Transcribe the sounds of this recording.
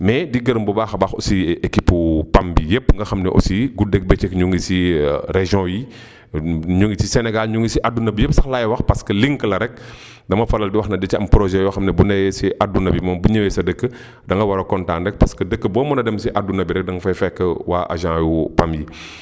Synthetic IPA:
mɛdiɡɐɾəmbubaːxɐbaxɔ̰siekipːupambijepːŋɡɐxɐmnɛʔɔ̰siɡudɛk̚bɛt͡ʃɛkɲuŋɡisiɾeʒjɔ̃ji | ɲuŋɡisisɛnɛɡalɲuŋɡisiʔadunɐbijepsɐxlajwɐxpɐskəliŋkəlɐɾɛk̚ | dɐmɐfɐlɐldiwɐxnɐdɛt͡ʃiɐmpɾɔʒɛjɔxɐmnɛbunɐjsiʔadunɐbimɐmbuɲəwɛsɐdəkːə | dɐŋɡɐwɐɾɐkɔntãːndɛk̚pɐskədəkːəbɔːmɐnɐdɛmsiʔadunɐbiɾɛk̚dɐŋɡɐfɐjfɛkːəwaːʔa̰ʒãjupamji

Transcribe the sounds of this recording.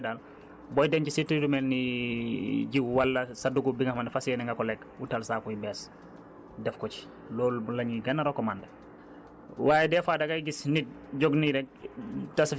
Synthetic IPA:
dal | bɔjdɛncisitɾidumɛlːi | ɟiwalːɐsaduɡubiŋahmandfasiɛnɛŋɡakɔlɛkwutalsaːkuibɛs | dɛfkɔci̥ | loːllɐɲiɡɐnːaɾokɔmandɐ | waːjɛdɛːfadaɡajɡisnit̚ | ɟoɡniɾɛk̚tas

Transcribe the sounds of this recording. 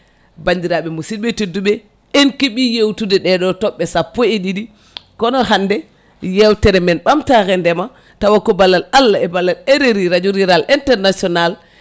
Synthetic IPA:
baɲdiɾaɓɛmusiɓetedːuɓɛ | enkiɓijewtudɛɗɛɗɔtɔɓːɛsapːɔeɗidi | kɔnɔhandɛ | jɛwtɛɾɛmɛnɓamtaɣɛndɛma | tawakːɔbalːalalːaɛbalːalɛɾeɾiɾad͡ʒuɾiɾalʔintɛɾnasiɔnal

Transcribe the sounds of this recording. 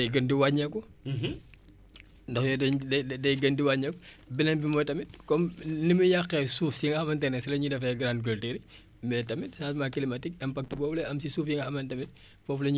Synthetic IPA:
dɐjɡɐndiwaɲɐku | ndɐxjɔdɐddɐjɡɐndiwaɲɐkɔ | binɐnbimɔjtɐmit̚kɔmnimujɐqːɛsuːfsiiŋɡɐxɐmɐntɛnɛsilɐɲudɐfɛɡɾandɡəlteɾi | mbɛtɐmitsaːtmakilimɐtik̚ɐmpɐk̚tubɔwlɛɐmsisuːfjiŋɡɐxɐmɐntɐmit̚ | fɔflɐɲ

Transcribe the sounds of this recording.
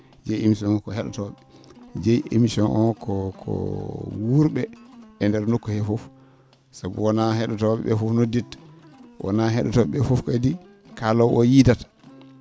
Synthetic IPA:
d͡ʒejemisɔnɔkɔhɛɗɔtɔɓɛ | d͡ʒejʔemisɔnʔɔnkʰɔkʰɔ̰wuɾɓɛɛndɛɾnokːɔhɛfof | sabuwɔnahɛɗɔtɔɓɛ̰ɓɛfofnodit | wʔɔ̰naɦɛɗɔtɔɓɛfofkɔdi | kalɔwʔɔjidatḁ

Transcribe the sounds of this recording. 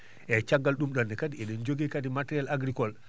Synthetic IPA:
et͡ʃaɡːalɗumɗonːikadieɗind͡ʒoɡikadimateɾialaɡɾikol

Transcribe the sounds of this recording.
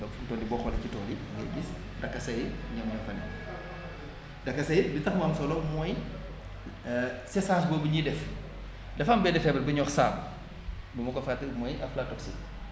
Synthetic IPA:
ɐfuntɔːndibɔːxɔlɐcitɔːli | ɡɛ̰ɡis | dɐkːɐsɐjɲɐmɲɔfɐnɛ̰ | dɐkːɐsɐjbitɐxmaːmsɔlɔmɔj | sɛsaːsbɔːbiɲidɛf | dɛfɐmbɛdɛfɛbɐlbɐɲɔxsa̰ːm | dumɐkɔfaːtmɔjʔɐflatɔksi

